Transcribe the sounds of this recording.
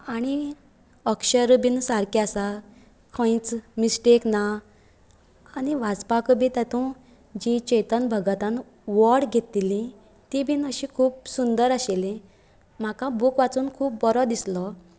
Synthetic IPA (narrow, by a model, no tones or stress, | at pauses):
aɽ̃i | əkɕəɾbinsaɾkjasa | kʰə̃jt͡smisʈekna | aniʋat͡spakəbĩt̪at̪ũ | d͡ʑit͡ɕɛjt̪ənbʱəɡat̪ãn | ʋɔɽɡʱet̪ːilĩ | t̪ibʱiːnəɕikʰuːp̚sund̪əɾaɕelĩ | m̤akãbukʋat͡suːnkʰuːp̚bɔɾɔd̪islɔ